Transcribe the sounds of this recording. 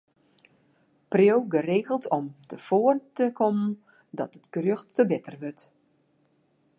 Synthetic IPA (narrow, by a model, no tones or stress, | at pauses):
prjowɡəreːɣəlˠtʰɔmtʰəfoːərtəkʰomən | dɔtətɡ̥røxtːəbɪtərʋøt